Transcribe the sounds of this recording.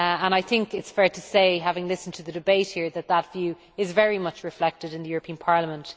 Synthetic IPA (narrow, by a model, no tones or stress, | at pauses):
ə̃ñaɪθɪ̃ŋkɪtsfɛɹtʰəseɪɦavɪ̃ŋlɪsn̩tʰəðədɪbeɪt̚hiːɹðət̪̚ðətv̥jʉː | ɪzvɛɹimʌt͡ʃɹɪflɛk̚tɪɾɪ̃nðəjʊːɹəpʰĩə̃npʰɑɹləmə̃nt